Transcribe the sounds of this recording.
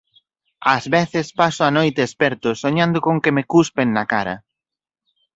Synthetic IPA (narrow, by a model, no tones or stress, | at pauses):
ɐzβeθɪspasʊanojt̪eːspɛɾt̪ʊsoɲãnd̪ʊkoŋkemekuspeŋnɐkaɾɐ̰